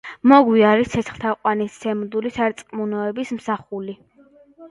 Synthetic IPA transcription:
mɔɡwiaɾit̪sʰɛt̪sʰχt̪ʰaqʼwanissɛmd̪ulisaɾt̪sʼqʼmunɔɛbismsaχuli

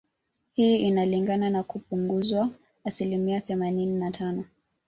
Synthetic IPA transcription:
hiːinaliŋɡananakupuŋɡuzwaː | silimiaθɛmanininatʰanɔ

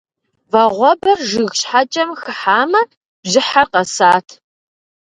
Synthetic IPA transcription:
vɐʁʷɔbɐrʒɨɣɕħat͡ʃʼɐmxɨħaːmɐ | b̥ʑɪħarqɐsaːtʰ

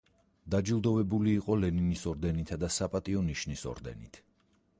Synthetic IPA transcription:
d̪̥ad͡ʒilˠd̪ɔvɛbuliːqʼɔlɛninisɔɾd̪ɛnit̪ʰad̪asapʼat̪ʼiɔniʃnisɔ̰ɾd̪ɛ̰nit̪ʰ

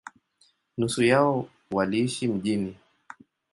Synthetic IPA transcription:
nusujaɔ | waliiʃim̩ʄini

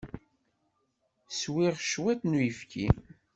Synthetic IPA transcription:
swiʁʃwæt̪nujəfki

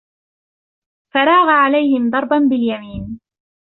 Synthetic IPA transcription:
faɾˤɑːɣaʕalajhɪmd̪ˤɑɾˤbanbɪljamiːn

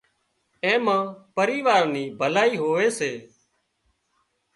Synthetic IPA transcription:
ẽːmãːpəɾiːʋaːɾniːbʱəlaːiːɦoːʋeːseː

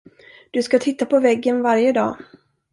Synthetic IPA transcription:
d̪̥ɵskat̪ʰɪt̪ːapɔvɛɡːənvaɾjəd̪ɑ̰ː

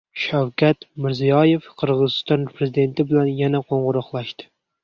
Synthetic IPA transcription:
ʃawkʲʰat̪mɪɾzijɒje̞fqʰɨɾʁɨzɨst̪ɒnpʰɾezid̪e̞nt̪ʰɪbɪlanjanaqʰoɴʁʊɾɑqlˠaʃt̪ɪ̥

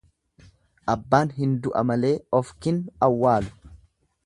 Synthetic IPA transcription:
ʔɐbːaːnɦɪnd̪ʊʔɐ̰mɐle̞ːɔfkɪnɐwːaːlʊ̥

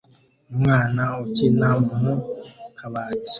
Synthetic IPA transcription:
ŋanaot͡ʃinãmbumũkaβati̥

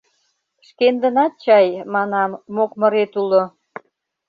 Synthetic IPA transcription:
ʃkend̪ə̆nɑt̪̚t͡ɕɑjmɑnɑmːokmə̆ɾet̪ulo

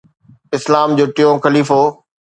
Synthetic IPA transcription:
ɪslaːmd͡ʑoːʈɪjõːxɐliːfoː

